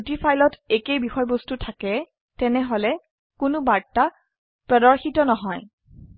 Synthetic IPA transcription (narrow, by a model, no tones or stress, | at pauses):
utifajlɔtekejbixɔjbɔstutʰakɛ | tɛnɛɦolɛ | kʊnʊbaɹtːa | pɹɔdɔɹxitɔnɔɦɔj